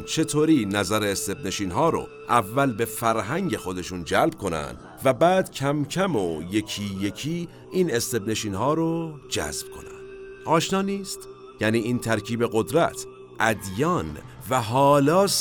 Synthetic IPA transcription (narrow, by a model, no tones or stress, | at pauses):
nt͡ʃʰe̞t̪ʰoːɾiːnæzæɾeːst̪e̞bne̞ʃiːnɦɒːɾo̰ | ʔævːælbe̞fæɾɦæŋɟe̞xo̞d̪e̞ʃuːnd͡ʒælbkʰo̞næ̰nd̪ | væbæːd̪̥cʰæmcʰæmojecʰiːje̞cʰiː | iːne̞st̪e̞bne̞ʃiːnhɒːɾod͡ʒæ̰zb̥kʰo̞̰næ̰nd̪̥ | ʔɒːʃnɒːniːst̪ | jæniːiːnt̪ʰæɾcʰiːbe̞ɣo̞d̪ɾæ̰t̪ʰ | ʔæd̪jɒːn | væɦɒːlɒːs